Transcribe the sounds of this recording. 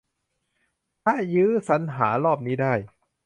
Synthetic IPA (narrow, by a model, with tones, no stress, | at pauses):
k̪ʰa˦˥jɯː˦˥sa˩˦nɦaː˩˦ɾɔː˥˩p̚niː˦˥daː˥˩j